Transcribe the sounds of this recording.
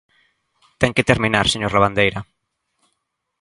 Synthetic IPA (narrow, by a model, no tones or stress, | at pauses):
t̪ɛŋket̪eɾminaɾseɲoɾlaβand̪ejɾɐ